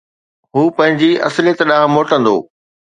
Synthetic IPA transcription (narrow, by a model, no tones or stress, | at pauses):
ɦuːpɐ̃ɦɪ̃ɲd͡ʑiɐ̰slijet̪ɗaːɦmoːʈə̃nd̪o̰ː